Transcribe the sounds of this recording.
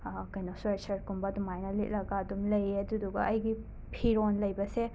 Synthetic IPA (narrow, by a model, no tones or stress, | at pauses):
kɐjnoswesɐɾkumbɐdumajnɐlḛt̚lɐɡɐːdumlɐjɐduduɡɐʔɐjɡi | pʰiɾonlɐjbɐse